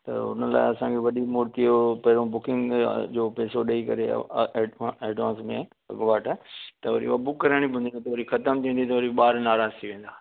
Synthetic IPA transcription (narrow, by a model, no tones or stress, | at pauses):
t̪ɐ̰ʊ̰nəla̰ːɪɐsãkʰeʋɐɗimuːɾt̪iopɐɦɪɾõbʊkɪ̃ŋɡd͡ʑoːpɛːsoɗɐikɐɾḛ | eːɖʋãːnsmẽ | ɐ̰ɡʋaːʈat̪ɐʋɐɾḭɐbʊkːɐɾaːɽ̃ibʱʊ̃nd̪ɪnt̪ɐʋɐɾixɐt̪əmt̪ʰĩːnd̪it̪ɐʋɐɾiɓaːɾnaːɾaːzt̪ʰiʋẽːn̆d̪aː